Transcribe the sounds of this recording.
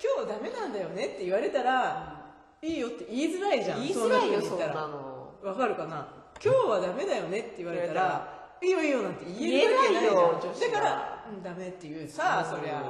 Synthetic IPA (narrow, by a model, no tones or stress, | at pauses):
kʲo̞ːβad̪ame̞nãnd̪ajo̞ne̞t̪ːe̞iβaɾe̞t̪aɾa | iːjo̞t̪ːe̞iːzɨɾaiʑãsonit̪ːaɾaβakaɾɯ̟kana | kʲo̞ːβad̪ame̞d̪ajo̞ne̞t̪ːe̞iβaɾet̪aɾa | iːjoiːjonãnt̪ːeiiainaad̪akaɾaɯ̟̃d̪ame̞t̪ːejɯ̟saso̞ɾea